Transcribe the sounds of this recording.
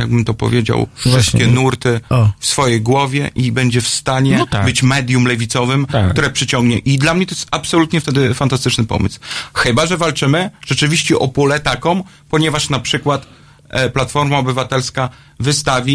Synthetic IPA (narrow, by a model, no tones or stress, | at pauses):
jaɡ̚bɘmt̪ɔpɔ̰vʲjed͡ʑa̰wfʂɨst̪̚kʲɛnuɾt̪ɘfsfɔjejɡwɔvʲjɛʔibɛɲd͡ʑɛfst̪aɲɛt̪abɘt͡ɕmɛd̪ʲjumlɛvʲit̪sɔvɘmkkt̪uɾɛpʂɘt͡ɕɔŋɡɲɛʔid̪lamɲɛt̪ɔjɛst̪apsɔlut̪ɲɛft̪ɛd̪ɘfant̪ast̪ɘt͡ʂnɘpɔ̰mɘ̰swxɘbaʐɛvalt͡ʂɘmɘʐ̥ɛt͡ʂɘvʲiɕt͡ɕɛʔɔpulɛt̪akɔ̃m | pɔɲɛvaʂnapʂɘkwat̪ | plat̪fɔɾmaɔbɘvat̪ɛlska | vɘst̪avʲi